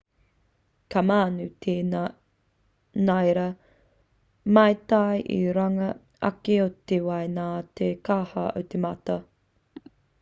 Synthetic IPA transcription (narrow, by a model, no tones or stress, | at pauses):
kʰamaːnʉt̪ʰeː | najɾɐ | mɐjt̪ajʔḭɾɐŋɐ | ɐ̰keot̪ewɐjnaːt̪ekahɐo̰wt̪emɐt̪ɐ